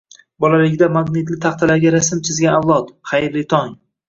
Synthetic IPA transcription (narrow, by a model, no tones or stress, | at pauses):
bɒlaveɡʲd̪amaɡnɪt̪lɪt̪ʰaχt̪ʰalaɾɡʲaɾasɪmt̪ʰɪzɡʲanawlˠɒt̪χajɾlɪt̪ʰɒŋ